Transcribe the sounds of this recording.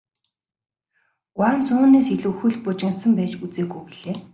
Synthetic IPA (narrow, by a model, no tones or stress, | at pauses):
ɢʷwaːnt͡sʊːnːeːsiɮŭːxɵ̆ɮpʊt͡ɕɪ̆nsə̆mpæːt͡ɕut͡seːɡujpiɮeː